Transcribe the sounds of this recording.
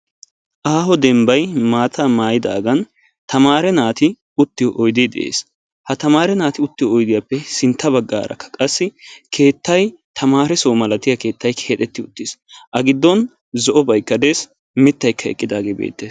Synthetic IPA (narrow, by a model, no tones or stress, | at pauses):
ʔaːɦɔd̪ɛmbɐjmaːt̪ʰaːmaːjɪd̪a̰ːɡɐn | t̪ʰɐmaːɾɛnaːt̪ɪ | ʊt̪ːɪjɔʔɔjd̪ɪd̪ɛ̰ʔḛːs | hɐt̪ɐmaːɾɛnaːt̪ɪʊt̪ːɪjɔɔjd̪ɪjapːɛsɪnt̪ʰːɐbɐɡːa̰ːɾɐ̰kːɐ̥kʼɐsːɪkʰe̞ːt̪ːɐjt̪ʰɐmaːɾɛsɔwmɐlɐt̪ɪjɐke̞ːt̪ːɐjkʰeːt̪ʼɛt̪ːɪʊt̪ːɪsʔɐɡɪd̪ːɔn | zɔʔɔbɐjkːɐd̪eːs | mɪt̪ːɐjkːɐɛ̰kʼːɪd̪aːɡeːbḛːt̪ːeːs